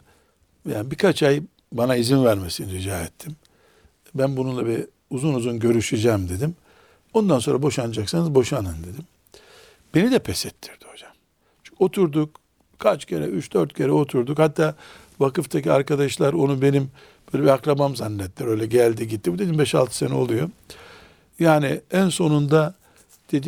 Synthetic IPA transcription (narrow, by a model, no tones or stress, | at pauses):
jaːnbikʰat͡ʃaj | banaizinvæɾmesiniɾid͡ʒaːɛt̪ʰːim | bænbununlˠabi | uzunuzunɟø̞ɾyʃyd͡ʒɛːmd̪e̞d̪im | o̞nd̪anso̞nɾabo̞ʃanad͡ʒaksanɯzbo̞ʃanɯnd̪e̞d̪im | b̥e̞nid̪ɛpʰɛsɛt̪ʰːi̥ɾd̪iho̞d͡ʒḁm | t͡ʃʰʲo̞t̪ʰuɾd̪uk | kʰat͡ʃcʰe̞ɾɛ̰yt͡ʃd̪̥øɾt̪cʰe̞ɾɛo̞t̪ʰuɾd̪ukhat̪ʰːaː | vakɯft̪ʰacia̰ɾkad̪aʃlˠaɾo̞nube̞nim | bøːlʲɛbiakɾabamzanːɛt̪lʲɛɾø̞jlʲɛɟælʲd̪iɟit̪ːibud̪eimbɛʃa̰lˠt̪ʰɯ̥senɛo̞lˠujo | jaːnɪænso̞nund̪a | d̪̥e̞d̪i